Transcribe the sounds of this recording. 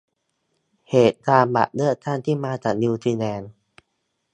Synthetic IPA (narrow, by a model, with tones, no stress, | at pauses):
heː˨˩t̪̚kaː˧mba̰˨˩ʔ̚lɯ˥˩ət̪̚ʰːa˥˩nt̪ʰiː˥˩maː˧t͡ɕaː˨˩k̚ni˧t̪ʰiː˧nɛː˧n